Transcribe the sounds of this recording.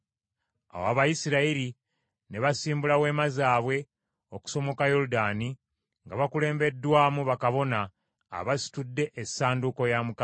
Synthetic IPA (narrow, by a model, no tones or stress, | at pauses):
a̰waβajisiɾaiɾi | ne̞βasiːmbulawe̞ːmazaːβwe̞ | o̞ku̥so̞mo̞kajo̞ɾudaːni | ŋɡaβakule̞ːmbe̞dːwaːmuβakaβo̞na̰ː | βasi̥tudːe̞ʔesaːnduko̞jamuka